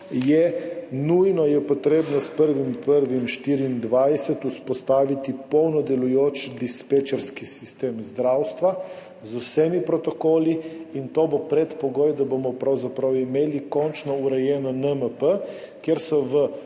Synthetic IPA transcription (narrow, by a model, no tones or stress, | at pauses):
jɛnujnɔjɛpɔt̪ɾeːbnɔspəɾʋimpəɾʋimʃt̪iːɾiːnd̪ʋajsɛt̪uspɔst̪aːʋit̪ipɔwnɔd̪ɛlujoːt͡ʃd̪ispet͡ʃɛɾskisist̪eːmzd̪ɾawst̪ʋa | zusɛmipɾɔt̪ɔkoːliint̪oːbopɾɛt̪pɔɡoːjd̪abomɔpɾawzapɾawimeːlikɔnt͡ʃnɔuɾɛjɛːnɔnəməpə | kjeɾsɔʋə